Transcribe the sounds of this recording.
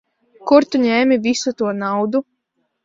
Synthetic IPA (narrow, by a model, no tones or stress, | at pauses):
kuɾt̪uɲɛːmivisut̪uɔnawd̪u